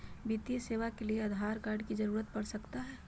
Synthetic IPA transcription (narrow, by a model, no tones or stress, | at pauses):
bit̪ijəseːʋakelieɐd̪ʱaːɾkaːɾɖkid͡ʒɐɾuːɾət̪̚pɐɽsəkt̪aɦɛː